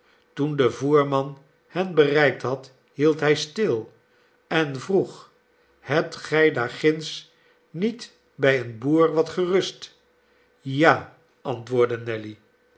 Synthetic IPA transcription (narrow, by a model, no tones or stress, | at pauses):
tundəvuːɹmɑn | hɛnbərɛjk̚tɦɑt | ɦilˠtɦɛjstɪlˠ | ɛnvruχ | hɛp̚tχɛjdaːɹχɪns | nit | bɛjənbuːɹʋɑtχərɵst | jaː | ɑntʋʊːɹdənɛli